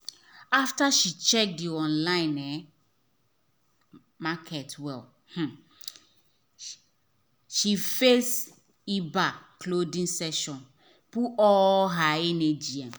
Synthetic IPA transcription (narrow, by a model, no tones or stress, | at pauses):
aftaʃit͡ʃɛk̚diɔ̃nlãɪ̃nɛ | makʰɛtwɛl | h̩ | ʃifes | ibakʰlodĩŋsɛʃɔ̃n | puɔɦaɛned͡ʒiɛ̃m